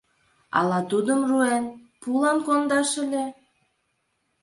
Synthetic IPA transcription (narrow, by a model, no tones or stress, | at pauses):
ɑ̰lɑt̪ud̪əmruen | pulɑnkond̪ɑʃə̆lʲe